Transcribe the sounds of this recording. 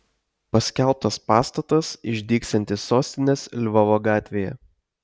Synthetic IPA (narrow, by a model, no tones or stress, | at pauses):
pɐsʲkʲælˠp̚t̪ɐspɑːst̪ɐt̪ɐsɪʒʲd̪ʲiːksʲt̪ʲɐnʲt̪ʲɪsːoːsʲt̪ʲɪnʲeːslʲʋɐʋoːɡɑːt̪ʲʋʲeːjɛ̰